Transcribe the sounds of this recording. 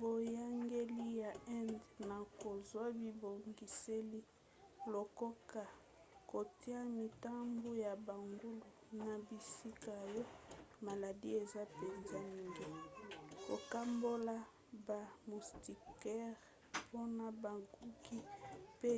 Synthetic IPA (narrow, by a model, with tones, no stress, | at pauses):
bo˨ja˦ŋɡe˦li˦ja˨ɛ˦ndna˨ko˨zwa˦bi˨bo˨ŋɡi˨se˦li˦ | lo˨ko˦ka˨ | ko˨ti˦a˦mi˨ta˦mbu˦ja˨ba˨ŋɡu˦lu˨na˨bi˨si˦ka˨jɔ˦ma˨la˨di˦e˨za˦pe˨nza˦mi˨ŋɡi˦ko̰˨ka˦mbo˦la˦ | ba˨mu˨sti˨kɛ˦ʁ | pʰo˦na˨ba˨ɡu˦ki˦pe˦